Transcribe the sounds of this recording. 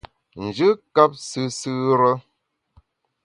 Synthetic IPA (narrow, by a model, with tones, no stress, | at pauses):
n̩˨d͡ʒɨ˦ka˦p̚sɨ˦sɨ˦ɾə˦